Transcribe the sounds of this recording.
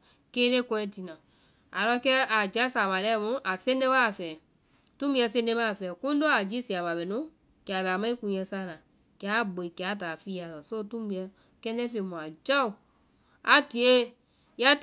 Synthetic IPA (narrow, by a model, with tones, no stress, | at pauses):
keː˦ɾe˦kɔ̃˧ɛ̃˧˦ti˨nã˨ | a˨lɔ˧kɛ˦a˨d͡ʒa˦sa˨βa˨lɛ˦˨mũ˦ʔa˨se˦ne˦βa˦˨fɛː˨ | tũ˦bi˧ɛ˧˨s̬e˧˦nẽ˧˦βa˦˨fɛ˨kũ˦n˦do˦a˨d͡ʒi˦si˨a˨ba˨bɛ˨nũ˦ | ka˨βɛ˨a˨mã˦i˦kũ˧jɛ̃˧sa˦˨nã˨ | kja˨˦˨ɡ͡bo˨i˨ki˨a˨˦taː˨fiː˦a˨lɔ˨so˦tũ˦bi˨˧ɛ˧ | kɛ˧˦nɛ̃˦fe˧˨mũ˨a˨d͡ʒa˦u˨ | a˨ti˨e˦ | ja˦